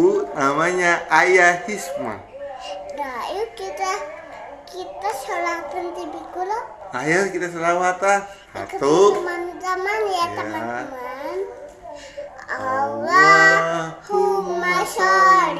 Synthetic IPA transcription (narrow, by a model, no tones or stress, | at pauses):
unamaɲaʔajahisma̰ | dajukit̪a | kit̪asəlapənt̪ibikulo | ajakit̪as̬əlawat̪a | ha̰t̪omanzamanjat̪akaman | awa | humasa